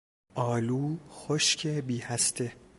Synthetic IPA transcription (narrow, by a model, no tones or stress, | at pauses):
ʔɒːluːxoʃcʰebiːhæst̪ʰe